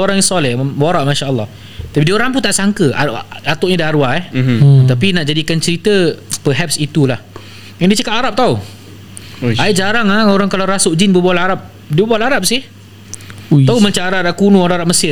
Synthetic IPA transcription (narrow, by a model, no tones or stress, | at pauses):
oɾaŋjasɔlɛhbaɾaʔmaʃaʔəlˠːɔ̰h | t̪apidioɾaŋp̬unt̪aʔsaŋkəa̰at̪ʊʔɲadaɾuaɛh̪apinaʔd͡ʒadikant͡ʃəɾit̪əpəɦɛp̚sit̪ulah | jaŋdit͡ʃəkap̚aɾap̚t̪au | aid͡ʒaɾaŋaoɾaŋkalawɾasʊʔd͡ʒinbəbawalaaɾap̚ | diəbbaalaɾap̚sɪh | t̪auməɲt͡ʃaɾaɾakunuoɾãŋaɾap̚məsɪ